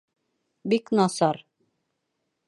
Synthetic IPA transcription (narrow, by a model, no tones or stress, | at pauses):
biknɑsɑɾ